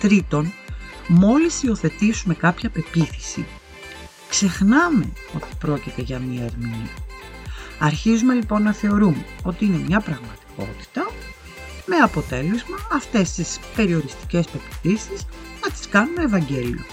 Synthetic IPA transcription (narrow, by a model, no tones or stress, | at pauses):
t̪ɾit̪o̞nmo̞lisio̞θe̞t̪isume̞kɐpçɐpe̞piθi̥sḭ | kse̞xnɐme̞o̞t̪i̥pɾo̞cit̪e̞ʝɐmiɐeɾmini | ɐɾçizume̞lipo̞nːɐθe̞o̞ɾumeo̞t̪iine̞mɲɐpɾɐɣmɐt̪i̥ko̞̰t̪i̥t̪ɐ | me̞ɐpo̞t̪e̞le̞zmɐɐft̪e̞st̪ispe̞ɾio̞ɾist̪i̥ce̞spe̞pi̥θisisnɐt̪i̥skɐnume̞ːvɐɲɟe̞lḭo̞̰